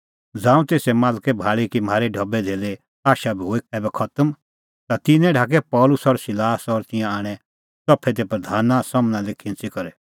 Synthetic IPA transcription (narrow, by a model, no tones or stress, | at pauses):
d͡zãːũt̪eːsɛmãːlkɛbʱaːɭikimaːɾɛɖʱɔbɛd̪ʱeːle | aːʃabʱiɦoːiɛːbɛkʰɐt̪əm | t̪at̪ɪnɛ̃ɖʱaːk̬ɛpɔːlʊsɔɾsɪlaːsɔɾt̪ɪ̃jãaːɽ̃ɛ | t͡sɔpʰːɛd̪ɛpɾɐd̪ʱaːnasɔmnãlekʰɪ̃nt͡sikɐɾɛ